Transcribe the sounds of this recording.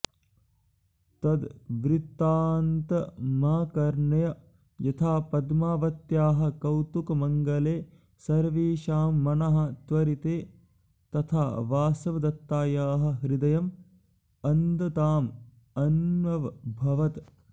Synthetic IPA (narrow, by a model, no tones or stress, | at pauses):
t̪ɐd̪ʋɾit̪ːaːnt̪ɐmaːkɐɾɳɐjɐ | jɐt̪ʰaːpɐd̪maːʋɐt̪jaːɦɐ̆kɐwt̪ukmɐŋɡɐleː | sɐɾʋiːʃaːmːɐnɐɦɐ̆t̪ʋɐɾit̪eː | t̪ɐt̪ʰaːʋaːsɐʋɐd̪ɐt̪ːaːjaːɦɐ̆ɦɾid̪ɐjɐm | ɐnd̪ɐt̪aːm | ɐnʋɐʋbʱɐʋɐt̪